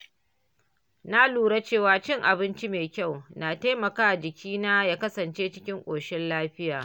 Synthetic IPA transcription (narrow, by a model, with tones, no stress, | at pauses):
na˦luː˨ɽa˦t͡ʃeː˦˨waː˦t͡ʃɪ˦˨ŋʔa˨bɪ˦nt͡ʃi˦meː˨kʲa˦˨wnaː˨ta˦jmɐ˨kaː˦˨d͡ʒɪ˨kʲiː˦naː˦jaː˦kɐ˦sɐ˨nt͡ʃeː˦t͡ʃɪ˦kʲɪ˦ŋkʷʼoː˨ʃɪ˦nlaː˦ɸɪ˦jaː˨